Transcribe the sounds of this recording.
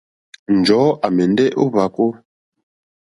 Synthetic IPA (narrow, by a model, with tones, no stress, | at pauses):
n̩˨d͡ʒɔ˨˦a˨mɛ˨n˦dɛ˦ʔo˦βa˨˦ko˦